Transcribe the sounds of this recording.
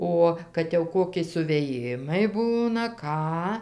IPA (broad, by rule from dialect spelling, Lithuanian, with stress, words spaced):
ˈoː kɐt jɛʊ ˈkoːkʲɪ sʊʋʲeːˈjɪmɐɪ ˈbuːnɐ ˈkɑː